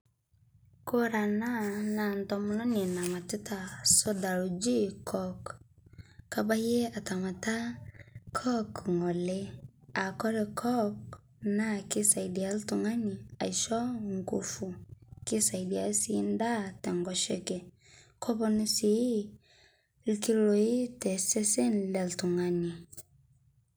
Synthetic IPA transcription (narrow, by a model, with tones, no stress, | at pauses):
ko˦ɾa˨na˦na˨ntɔmu˦lɔ˦ni˨na˨ma˨ti˦tasɔ˦da˨ɾu˨d͡ʒi˦kʰɔkː | aba˦je˦a˨tama˨ta˦kʰɔ˦kŋɔ˨le˦a˨kɔ˦ɾɛkʰɔ˦k | na˦ki˦sa˨idi˨a˦ltu˨ŋa˦ni˨a̰˨i˨ʃɔ˦ŋɡo˦fu˨ki˦sa˨idi˨a˨si˨˦n˦da˦tɛ˨ŋɡɔ˨ʃe˦kɛ˨ | kʰɔ˦pɔ˦nu˦si˦ | lki˦lo˨i˦tɛ˨sɛ˦sɛ˦nlɛ˨ltu˨ŋani˨